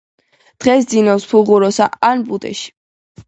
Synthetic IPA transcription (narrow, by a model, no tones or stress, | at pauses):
d̪̥ʁɛsd̪zinɔspʰuʁuɾɔsa̰anbʼut̪ʼɛ̰ʃi̥